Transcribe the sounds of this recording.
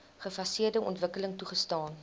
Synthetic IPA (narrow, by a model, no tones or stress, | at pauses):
χəfɐsiərdəɔ̰ntvəkələŋtuχəstɑːn